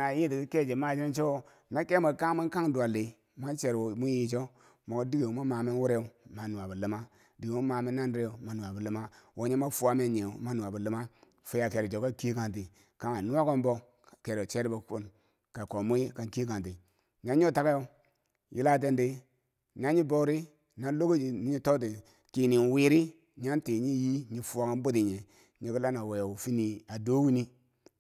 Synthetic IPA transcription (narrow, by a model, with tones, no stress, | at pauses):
na˨ji˦ti˨ki˦ke˦˨d͡ʒe˨ma˦˨d͡ʒi˦i˦n˦t͡ʃo˦ | me˦ke˦mo˨ka˦mi˦n˦ka˦ŋdu˨a˨le˨ | ma˦nt͡ʃe˨ɾo˨mu˦ji˨d͡ʒo˦ | mo˨ku˦di˦ɡe˨mu˦ma˨mi˦nwu˦ɾe˦u˨ma˨nu˨a˨bu˨li˨ma˦ | di˨ɡi˨mu˦ma˨mi˦na˦nɾe˦o˨ma˨nu˨a˨bu˨li˦ma˦wo˨˦ɲe˦ma˦fu˦a˦me˦˨ɲe˨u˨ma˦nu˨a˨bu˨li˦ma˦ | fu˨˦ja˨ke˨ɾi˨d͡ʒo˨˦ka˦ki˦ka˨nt̬i˨ | ka˦ma˨nu˦wa˦ko˦mbo˦˨ | ke˨ɾo˨t͡ʃe˦ɾi˦bo˨˦ku˦n | ka˨ko˨mu˦ji˦ka˨nki˦ka˨nti˨ | ɲa˦ɲ˦o˦ta˦ka˦jo˦ | ji˦la˦t̬e˦ndi˦ | na˦ɲi˦bo˦ɾi˦ | na˦lo˦ɡo˦d͡ʒi˨ni˦ɲi˦to˦t̬i˨ | ki˨ni˨n˨wi˨ɾi˦ | ɲa˦nti˨ɲi˦ji˦ɲi˨fu˦a˨˦ka˦n˦bo˦ti˨ɲe˨ | ɲi˨ku˦la˦na˨we˨jfi˦ni˨a˨do˦wi˦ni˦